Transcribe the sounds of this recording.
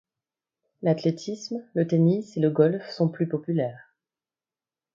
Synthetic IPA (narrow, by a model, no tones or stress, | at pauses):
lat̪let̪ʰismlət̪eniseləɡɔlfsɔ̃plypɔpylɛːʁ